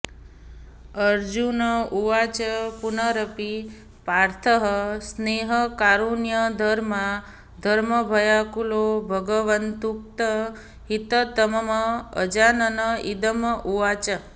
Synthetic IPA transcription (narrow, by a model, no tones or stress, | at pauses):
əɾd͡ʒunəuʋat͡ʃəpunəɾəpi | paɾt̪ʰəɦəsneɦəkaɾunjəd̪ʱəɾmã | d̪ʱəɾməbʱəjakulobʱəɡəʋənt̪uk̚t̪ə | ɦit̪ət̪əməməə̰d͡ʒanənəid̪əmʔuʋat͡ʃə